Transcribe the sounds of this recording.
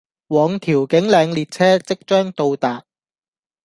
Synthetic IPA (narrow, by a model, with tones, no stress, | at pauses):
wɔː˨˧ŋt̪ʰiː˨˩wkɪ˨˥ŋlɛː˨˧ŋliː˨˧t̚t͡sʰɛː˥t͡sɪ˥k̚t͡ʃœː˥ŋt̪o˧wt̪aː˨t̚